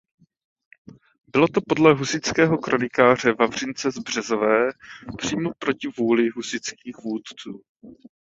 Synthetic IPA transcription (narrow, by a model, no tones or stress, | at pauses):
bɪlo̞t̪o̞po̞dlɛɦusɪt͡skɛːɦo̞kɾo̞nɪkaːr̝ɛvavr̝ɪnt͡sɛzbr̝̥ɛzovɛːpr̝̥iːmo̞pɾo̞cɪvuːlɪɦusɪt͡skiːxvuːt̪t͡suː